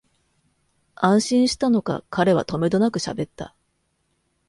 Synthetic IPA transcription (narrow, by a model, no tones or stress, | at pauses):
ãɰ̃ɕĩɰ̃ɕi̥t̪ano̞ka̰kʰaɾe̞β̞a̰t̪o̞me̞d̪o̞nakɯ̟ɕa̰be̞t̪ːa̰